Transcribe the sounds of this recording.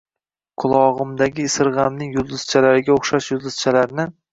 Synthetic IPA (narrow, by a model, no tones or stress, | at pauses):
qʰʊlˠɒʁɨmd̪aɡʲɪːsɪɾʁɑmnɪŋjʊzd̪ʊz̥t͡ʃʰalaɾɪɡʲaoχʃaʃjʊzd̪ɪz̥t͡ʃʰalaɾnɪ